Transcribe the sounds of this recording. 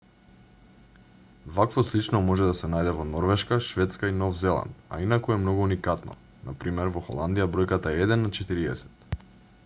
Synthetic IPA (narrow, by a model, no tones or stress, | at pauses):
vakvɔslit͡ʃnɔmɔʒɛd̪asɛnajd̪ɛvɔnɔɾvɛʃkaʃvɛt̪skainɔvzɛlˠa̰nd̪a̰inakuɛmnɔɡuunikat̪nɔ̰ | na̰pɾimɛɾvɔxɔ̰lˠand̪ijabɾɔjkat̪aɛɛd̪ɛnːat͡ʃɛt̪iɾiɛsɛ̥t̪